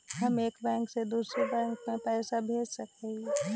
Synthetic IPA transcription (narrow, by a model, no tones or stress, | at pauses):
ɦɐmeːkbɛ̃ːŋksed̪uːsɾebɛ̃ːŋkmẽpɛːsabʱeːd͡ʒsɐk̚ei